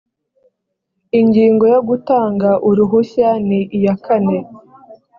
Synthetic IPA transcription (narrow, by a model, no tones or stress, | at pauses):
iɲɟiːŋɡo̞joɡutaːŋɡaʔuɾuɦuçaniʔijakane̞